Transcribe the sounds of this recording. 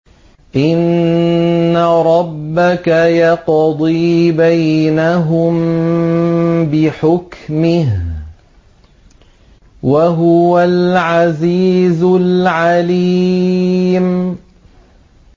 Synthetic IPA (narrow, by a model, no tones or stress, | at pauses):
ʔɪnː | aɾˤɑbːakajɑqd̪ˤiːbajnaɦʊm | bɪħʊkmɪɦ | waɦʊwalʕaziːzʊlʕali | m